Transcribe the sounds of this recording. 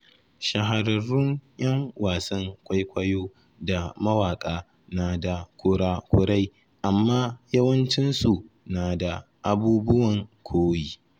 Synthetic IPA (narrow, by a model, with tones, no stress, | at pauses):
ʃɐ˨ɦa˨ɾɐ˨ɾʊ˦ŋj̰ɐ˦ŋwaː˨sɐ˦ŋkʷa˦jkʷɐ˦joː˦ | da˨mɐ˦waː˨kʼaː˦ | naː˨da˨kʷʊ˦ɽaː˦kʷʊ˦ɽa˦j | ʔa˨mːaː˦jɐ˦wɐ˦nt͡ʃɪ˦nsu˨ | naː˨da˨ | ʔa˨buː˦bʊ˦wɐ˨ŋkʷʰoː˦jiː˦